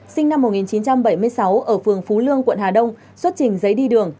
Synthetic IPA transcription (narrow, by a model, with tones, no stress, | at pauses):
sï˧ŋ̟na˧mːo˨˩ŋi˨˩nt͡ɕi˨˦nt͡ɕa˧mɓə˧˩jmɨ˧əjsa˨˦wʔəː˧˩fɨ˨˩əŋfu˨˦lɨ˧əŋkwə̰˧˨nhaː˨˩ɗə˧wŋ͡m | swə˦˥t̚t͡ɕï˨˩ŋ̟zə˨˦jɗi˧ɗɨ˨˩əŋ